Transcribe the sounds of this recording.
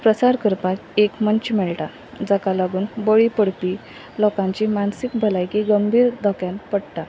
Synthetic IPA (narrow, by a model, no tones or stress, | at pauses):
pɾəsaɾkəɾpatekmənt͡ɕmɛɭʈa | d͡zakalaɡuːnbəɭipəɽ̤pi | lɔkãɲt͡ɕimansik̚bʱəlajkiɡəmbʱiːɾd̪əkjanpəɽʈ̪a